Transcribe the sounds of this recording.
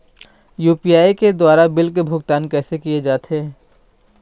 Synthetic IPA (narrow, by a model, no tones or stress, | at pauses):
juːpijaːiked̪waːɾabɪlkebʱʊɡt̪aːnkɛːsekied͡ʒaːt̪eɛ